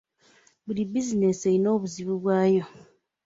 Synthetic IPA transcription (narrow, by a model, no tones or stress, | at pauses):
bulibizine̞seino̞ːβuziβuβwaːjo̞